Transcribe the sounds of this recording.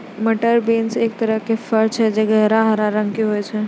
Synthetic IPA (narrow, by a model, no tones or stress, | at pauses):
mɐʈəɾbeːnseːk̚t̪ɐɾəɦkefɐɾt͡ʃɦɛd͡ʒeɡɛɦɾaɦɐɾaɾə̃ŋɡkiɦoed͡ʒʰɛː